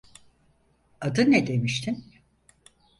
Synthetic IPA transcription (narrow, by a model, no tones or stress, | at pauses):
ad̪ɯnɛd̪emiʃt̪ʰin